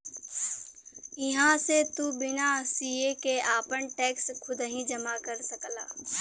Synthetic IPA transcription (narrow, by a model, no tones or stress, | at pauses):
ɪɦãset̪ubɪnasiekeʔaːpənʈɛːkskʰʊd̪ɦĩd͡ʒɐmakəɾsɐkla̰ː